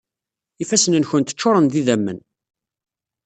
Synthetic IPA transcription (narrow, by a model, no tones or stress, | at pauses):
ifæsənənçənt̪ə̥t͡ʃːʊɾˤənðiðæmːə̰n